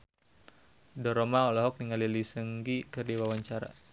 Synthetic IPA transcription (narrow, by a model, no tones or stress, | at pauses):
dɔɾɔmaɔlɔɦɔk̚niŋalilisəŋɡikɨrdiwawaɲt͡ʃaɾa̰